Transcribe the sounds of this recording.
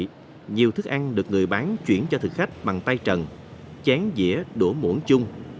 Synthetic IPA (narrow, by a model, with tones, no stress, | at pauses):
ɲi˨˩əwt̪ʰɨ˦˥k̚ʔa˧jŋ̟ɗɨ˨˩ək̚ŋɨ˨˩əjɓaː˨˦nt͡ɕwi˧˩ənt͡ɕɔ˧t̪ʰɨ̰˨˩k̚xa˦˥k̚ɓa˨˩ŋt̪a˧jt͡ɕə˨˩n | t͡ɕɛ˨˦nzḭ˧˥əɗu˧˩mṵ˧˥ənt͡ɕʊ˧ŋ͡m